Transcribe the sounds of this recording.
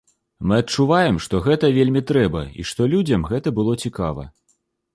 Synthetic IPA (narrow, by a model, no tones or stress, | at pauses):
mɨɐt̚t͡ʂuvajɛmʂt̪ɔɣɛt̪ɐvʲelʲmʲit̪ɾɛbɐ̰ḭʂt̪ɔlʲud͡zʲɐmɣɛt̪ɐbɨlˠɔt͡sʲikavɐ̰